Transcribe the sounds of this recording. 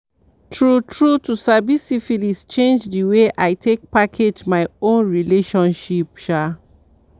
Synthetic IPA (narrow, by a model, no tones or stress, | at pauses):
tʰɹutɹutusabisifilist͡ʃẽnd͡ʒdiweʔajtʰek̚pakʰed͡ʒmaɪõnɹileʃɔ̃nʃipʃa